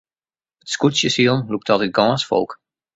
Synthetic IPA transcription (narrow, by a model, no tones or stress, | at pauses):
ətskusjəsiəlˠnluk̚tɔtəɡɔ̃ːsfɔ̰lˠk